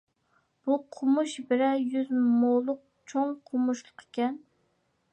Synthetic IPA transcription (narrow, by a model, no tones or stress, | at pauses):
b̥uqʰʊmuʃbɪɾɛjyzmolˠʊq̚t͡ʃʰoŋqʰʊmuʃlˠə̥qʰe̥kʲɛn